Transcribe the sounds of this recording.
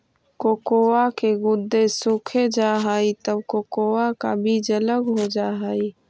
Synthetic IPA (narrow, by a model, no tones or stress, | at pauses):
koːkoːwakeɡʊd̪ːesʊkʰed͡ʒaːɦaːit̪əbkoːkoːwakabʱid͡ʒələɡɦod͡ʒaːɦaːi